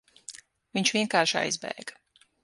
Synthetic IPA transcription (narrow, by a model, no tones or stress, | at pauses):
viɲt͡ʃviɛŋkaːɾʃa̰jzbɛ̰jɡ̥